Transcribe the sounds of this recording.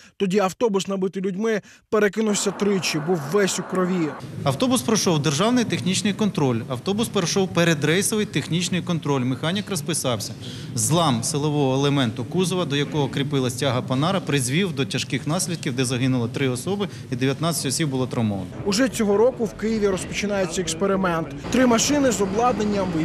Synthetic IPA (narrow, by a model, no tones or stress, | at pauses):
t̪ɔdʲiɐwt̪ɔbʊsnɐbɪt̪ɪlʲʊdʲmɪ | peɾekɪnʊwsʲɐt̪ɾɪt͡ʃibuwːɛsʲʊkɾɔʋʲiɐwt̪ɔbʊspɾɔʃɔwd̪erʒɑwnɪjt̪exnʲit͡ʃnɪjkɔnt̪ɾɔlʲɐwt̪ɔbʊspeɾeʃɔwpeɾed̪ɾɛjsɔʋɪjt̪exnʲit͡ʃnɪjkɔnt̪ɾɔlʲmɪxɑnʲikrɐspɪsɑwsʲɐ | zlˠɑmsɪlˠɔʋɔɦɔelˠemɛnt̪ʊkuzɔʋɐd̪ɔjɐkɔɦɔkɾʲipɪlˠɐsʲtʲaɦɐpɐnɑɾɐpɾɪzʲʋʲiwd̪ɔtʲɐʃkɪxnɑsʲlʲid̪̚kʲiwd̪ɛzɐɦɪnʊlˠɐt̪ɾɪɔsɔbɪ | id̪eʋʲjɐt̪nɑt͡sʲɐ̥tʲɔsʲib̚bʊlˠɔt̪ɾɐmɔʋɐ̰nɔʊʒɛt͡sʲɔɦɔɾɔkʊwkɪjɪʋʲiɾɔspɔt͡ʃɪnɑjet͡sʲːɐɛkspeɾɪmɛnt̪t̪ɾɪmɐʃɪnɪzɔblˠɑd̪nenʲːɐm